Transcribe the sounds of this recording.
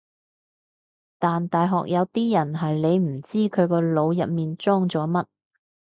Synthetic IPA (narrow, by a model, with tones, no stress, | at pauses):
t̪aː˨nt̪aː˨jɦɔ̰ː˨k̚jɐ˨˧wt̪iː˥jɐ˨˩nɦɐ˨jle˨˧jm̩˨˩t͡siː˥kʰɵ˨˧ɥkɔː˧lo˨˧wjɐ˨p̚miː˨nt͡sɔː˥ŋt͡sɔː˨˥mɐ˥t̚